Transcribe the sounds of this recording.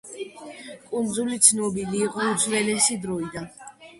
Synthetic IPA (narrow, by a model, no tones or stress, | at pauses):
kʼund̪zulit̪sʰnɔbiliːqʼɔusʰvɛlɛsid̪ɾɔid̪an